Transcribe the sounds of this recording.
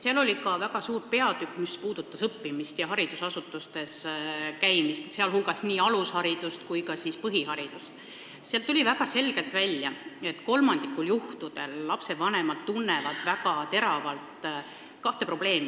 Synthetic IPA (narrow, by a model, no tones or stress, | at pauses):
seɑlo̞lʲikɑvæɡ̥ɑsuːɾpe̞ɑd̪ykːˑmispuːd̪̥ut̪ːˑɑsɤpːimist̪jɑɦɑɾid̪̥usɑsut̪ːˑust̪e̞skæjmist̪seɑlhulɡ̥ɑsniːɑlushɑɾid̪̥ust̪kujkɑsispɤɦiɦɑɾid̪̥ust̪ | seɑlt̪ulʲivæɡ̥ɑse̞lɡ̥e̞lt̪ːˑvælʲjɑe̞t̪ːko̞lmɑnd̪̥ikːuljuht̪ud̪̥e̞̰lːɑpse̞vɑne̞mɑd̪̥t̪unːe̞vɑd̪̥væɡ̥ɑt̪e̞ɾɑvɑlt̪ | kɑht̪e̞pro̞b̥le̞ːmi